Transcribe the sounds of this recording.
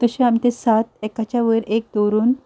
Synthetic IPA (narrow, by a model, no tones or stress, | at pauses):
t̪əɕẽamit̪esat̪̚ɛkat͡ɕjaʋəɾek̚d̪oɾuːn